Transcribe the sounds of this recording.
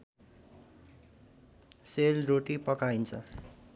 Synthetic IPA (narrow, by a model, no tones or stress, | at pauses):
selroʈipʌkajnt͡sʰʌ